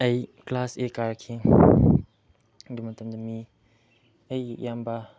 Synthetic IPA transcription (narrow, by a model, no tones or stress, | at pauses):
ɐjklasekaɾkʰi | dumɐtamd̪ami | əjjamba